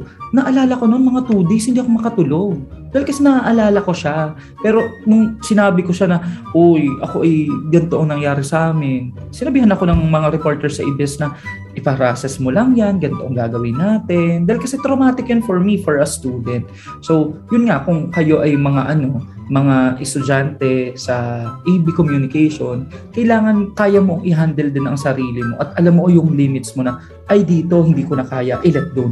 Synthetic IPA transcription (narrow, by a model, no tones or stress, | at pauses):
nɐʔɐlaːlɐko̞nonmɐŋat̪uːd̪eshɪnd̪iːʔɐko̞mɐkɐt̪ʊlo̞ɡ̚d̪ahɪlkɐsɛnɐaʔɐlaːlɐko̞ʃa | pɛːɾo̞nʊŋsɪnaːbɪko̞ʃanɐʔojʔɐko̞ʔɐjɡɐnt̪oʔɐŋnɐŋjaːɾɪsɐʔaːmɪn | sɪnɐbiːhɐnɐko̞nɐŋmɐŋaɾɛpo̞ɹt̪ɛɹsɐʔɪbɛsnɐ | ʔɪpɐɾaːsɛsmolɐŋjanɡɐnt̪oʔɐŋɡaːɡɐwɪnːaːt̪ɛnd̪aːhɪlkɐsɛt̪ɾomaːt̪ɪkjʊnfoɹmifoɹɐst̪uːd̪ɛnt̪̚ | so̞wjʊnŋɐkʊŋkɐjo̞ʔɐjmɐŋaʔɐno̞ | mɐŋaʔɛst̪ʊd͡ʒant̪ɛsɐʔiːbikomjunɪkɛjʃonkɐʔjlaːŋɐnkaːjɐmo̞ʔɐŋʔɪɦand̪ɛld̪ɪnɐŋsɐɾiːlɪmo̞̰ʔɐt̪̚ʔɐlamːoʔjʊŋliːmɪt̪smo̞nɐ | ʔɐjd̪iːt̪o̞hɪnd̪iːkonɐkaːjɐʔɪlɛt̪̚d̪on